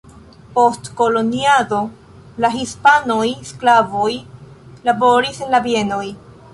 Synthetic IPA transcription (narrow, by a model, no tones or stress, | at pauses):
po̞stko̞lo̞niado̞ | laɦispano̞jsklavoj | labo̞ɾise̞nlabie̞no̞j